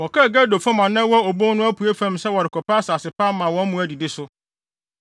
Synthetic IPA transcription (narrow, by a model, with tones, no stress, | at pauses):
wɔ˨ka˦˨ɡa˦˨do˨fɔ˦mã˨nã˦wɔ˦o˨bõ˦nʊ̃˦æ˦pʰu˨e˦fæ̃˦m˦sɛ˦wɔ˨ɾɪ˨kʰɔ˨pa˦saː˨sɪ˨pʰa˦mã˨wɔ̃˦m̩˦mũ˦æ˦di˨dɪ˦sʊ˦